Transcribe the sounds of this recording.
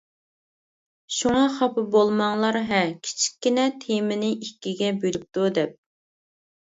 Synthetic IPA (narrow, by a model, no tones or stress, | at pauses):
ʃuŋɑχɑpʰɨbolˠmɑŋlˠɑɾɦɛkʲʰi̥t͡ʃʰi̥kʲːinɛt̪ʰemɪnɪikʲːiɡʲɛbylyp̚t̪ud̪ɛp̚